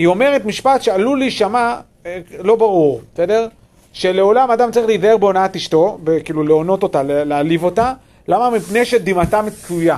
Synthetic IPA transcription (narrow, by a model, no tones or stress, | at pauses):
io̞me̞ʁetmiʃpat̪ʃealuliʃama | lo̞baʁuʁsede̞ʁ | ʃe̞le̞o̞lamadamt͡saʁiχleizaeʁbeonaatiʃto̞bekiːluleo̞no̞t̪o̞talelealivo̞ta | lamamipne̞jʃe̞d̪imatamet͡suja